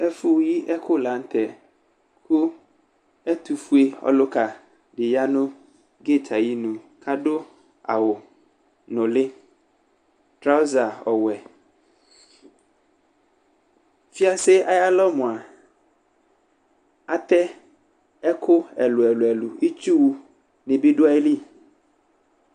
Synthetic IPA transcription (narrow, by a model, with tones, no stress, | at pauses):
ɛ˦fʊ˦ji˦ʔɛ˦kʰʊ˦la˨˦n̩˦t̪ʰɛ˨ | kʰʊ˦ | ɛ˦t̪u˨fu˦e˦ɔ̰˦lʊ˦ka˨ | dɪ˨ja˦nʊ̃˦ | ɡe˦˨tʰa˨ji˦nũ˨ | kʰa˦dʊ˦ | a̰˨wʊ˨ | nʊ̃˨lɪ˦ | tɾa˦ʊ˦za˨ɔ˨wɛ˨ | fi˦a˦se˦a˨ja˦lɔ˦mʊ̃˨a˨ | a˦t̪ɛ˦ | ɛ˦kʰʊ˦ɛ˨lʊ˨ɛ˨lʊ˨ɛ˨lʊ˨i˦t͡ʃu˦wu˦ | nɪ̃˨bi˦dʊ˦a˦i˦li˦